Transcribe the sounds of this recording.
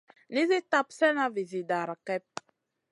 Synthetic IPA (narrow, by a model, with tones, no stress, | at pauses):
ni˦zi˦ta˦psɛ˦na˦vi˨zi˨da˨ɾa˨kɛ˦p̚